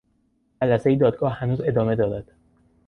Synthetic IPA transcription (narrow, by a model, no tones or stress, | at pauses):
d͡ʒælæsejid̪ɒːd̪̚ɡɒːhhænuːze̞d̪ɒːme̞d̪ɒːɾæd̪̥